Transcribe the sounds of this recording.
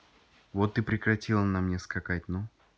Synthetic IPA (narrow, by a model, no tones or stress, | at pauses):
vot̪ːɨpɾʲɪkɾɐtʲilˠənɐmnʲeskɐkat̚ʲno